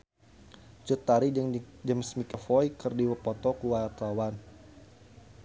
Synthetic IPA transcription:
t͡ʃut̪aɾid͡ʒəmsmikəfɔjkərdiwəpɔt̪ɔkuwat̪awan

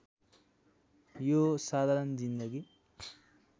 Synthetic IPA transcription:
joːsaːd̪ʱɐɾɐnd͡ʒind̪ɐɡi

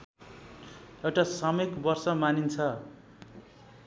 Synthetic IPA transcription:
ewʈasʌmʌkbʌrsʌmanint͡sʰʌ

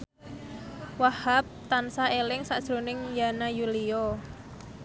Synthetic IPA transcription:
wahap̚t̪ansaelɪŋsaʔd̥ʒ̥ɾo̤nɪŋjanajuliɔ

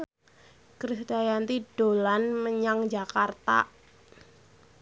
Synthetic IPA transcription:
kɾisdajant̪id̥olanməɲaŋd͡ʒakart̪a̰

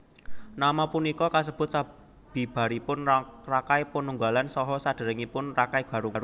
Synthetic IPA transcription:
namapunikɔkas̬əb̥ʊ̤t̪̚sa | b̥i̤b̥a̤ɾipʊnrakaipənuŋɡa̤lansɔɦɔsad̥ə̤ɾəŋipʊnrakaib̥a̤ɾuɾu

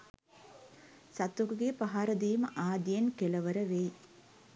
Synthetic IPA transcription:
sɐt̪ːukuɡeːpɐɦaːɾɐd̪ijmaːd̪jɐnkɛlɐʋɐɾɐʋeː

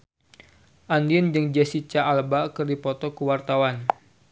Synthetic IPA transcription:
ʔandiənd͡ʒɨŋd͡ʒasit͡ʃaʔːlbakɨrdipɔt̪ɔkəwart̪awan

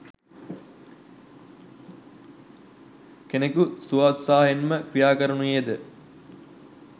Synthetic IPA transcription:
kenekusuat̪saːɦenməkɾijaːkəɾənujed̪ə

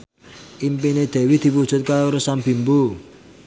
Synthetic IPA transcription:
ʔimpined̪̥ɛ̤wid̪̥i̤pud̥ʒ̥ʊ̤t̪̚kaɾosambi̤mbu

